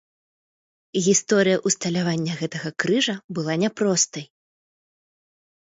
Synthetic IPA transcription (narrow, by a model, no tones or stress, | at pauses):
ɣʲist̪ɔɾɨjɐʔust̪ɐlʲavanʲːɐɣɛt̪ɐɣɐkɾɨʐɐbɨlˠanʲɛpɾɔst̪ɐj